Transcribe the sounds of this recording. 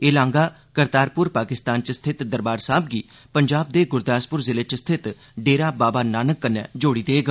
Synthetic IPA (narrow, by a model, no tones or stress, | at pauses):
elãːŋɡaː | kəɾt̪aːɾpʊɾpaːkɪst̪aːnt͡ʃəst̪ʰɪt̪d̪əɾbaːɾsaːb̚ɡiː | pəɲd͡ʒaːb̚d̪eːɡʊɾd̪aːspʊɾzɪleːt͡ʃst̪ʰɪt̪ | ɖeːɾaːbaːbaːnaːnəkːənːɛ̰ːd͡ʒoːɽiːd̪eːɡə